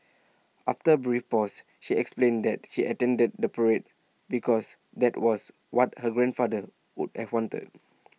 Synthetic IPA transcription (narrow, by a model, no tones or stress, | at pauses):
ʔaftəbɹifpɔs | ʃiɛksplẽndɛt̚ʃiʔətɛ̃ndəd̚dəpəɹet̚ | bikɔs | dɛtwɔs | wɔt̚həɡɹɛ̃nfadə | wṵdhɛvwɔ̃ntə̰d̚